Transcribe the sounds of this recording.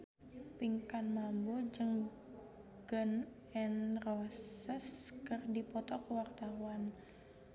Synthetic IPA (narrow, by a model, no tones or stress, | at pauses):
piŋkanmambod͡ʒəŋ | ɡ̥ən | ɛnrɔsəskərdipɔt̪ɔkəwart̪awan